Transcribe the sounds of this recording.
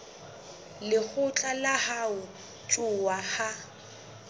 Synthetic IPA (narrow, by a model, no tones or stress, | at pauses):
lɪk͡xʊt͡ɬʼalahaʊ | t͡ʃʼʊwaha